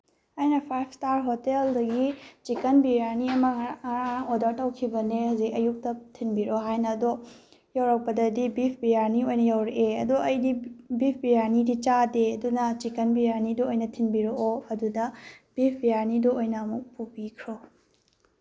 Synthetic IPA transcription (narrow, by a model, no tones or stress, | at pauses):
ajnɐpʰajp̚ʰstaɾɦoteldɐɡit͡ʃikɐnbiɾaniɐmɐŋodɐɾtɐwkʰibɐnehazik̚ɐjuk̚tɐtʰinbiɾoɦajnɐdo | jawɾɐk̚pɐdɐdibip̚ʰbijaɾniojnɐjawɾeʔeɐduɐjdibip̚ʰbijanidit͡ʃadeɐdunɐt͡ʃikɐnbiɾanidɔojnɐtʰinbiɾoʔoɐdudɐb̥ipʰbijaɾnidoojnɐːmuk̚pubikʰɾo